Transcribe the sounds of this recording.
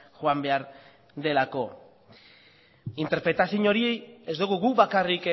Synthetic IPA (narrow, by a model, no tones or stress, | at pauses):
ʝoambe̞aɾ | d̪e̞lako̞ | int̪e̞ɾpɾe̞t̪asiɲo̞ɾiejezd̪uɣuɣuβakarik